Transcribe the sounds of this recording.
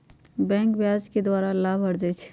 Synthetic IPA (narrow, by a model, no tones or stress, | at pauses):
bɛ̃ŋkbjad͡ʒked̪waɾalabʱəɾd͡ʒɛt͡ʃʰ